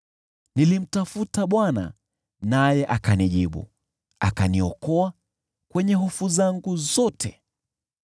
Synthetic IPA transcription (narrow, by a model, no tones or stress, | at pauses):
nilim̩tafutaɓwana̰ | najɛʔakaniʄiɓṵ | a̰kaniɔkɔa | kwɛɲɛɦɔfuzaŋɡuzɔtʰɛ